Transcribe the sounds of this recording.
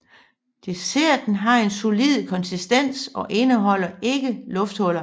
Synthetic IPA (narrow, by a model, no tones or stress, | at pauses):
d̥ese̝ɐ̰d̥enɦɑ̈e̝nso̝lið̰ˠkʰɒ̽nsisd̥en̰sɒ̽ʔe̝nəɦɒ̽l̰ɐe̝ɡ̥əlɔfd̥hɔ̽l̰ɐ